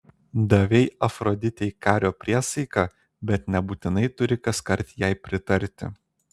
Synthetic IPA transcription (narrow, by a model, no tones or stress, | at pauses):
d̪ɐʋʲɛɪɐfɾɔd̪ʲɪt̪ʲɛɪkɑːɾʲoːpʲɾʲiɛsɐɪkɑ | bʲɛt̪nʲɛbuːt̪ʲɪnɐɪt̪ʊɾʲɪkɐskɐɾʲt̪ʲjɛɪpʲɾʲɪt̪ɐɾʲt̪ʲɪ̰